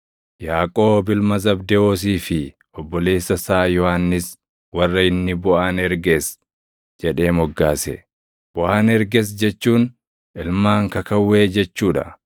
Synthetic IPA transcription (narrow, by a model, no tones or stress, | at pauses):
jaːkʼo̞ːbɪlmɐzɐbd̪ɛoːs̬iːfɪ | ɔbːɔleːsːɐsaːjɔhaːnːɪs | wɐrːɐɪnːɪbʊʔaːnɛɾɡeːs | d͡ʒɛᶑe̞ːmɔɡːaːsɛ̰ | b̥ʊʔaːnɛɾɡɛs̬d͡ʒɛt͡ʃːuːn | ʔɪlmaːŋkɐkɐwːe̞ːd͡ʒɛt͡ʃːuːᶑɐ̰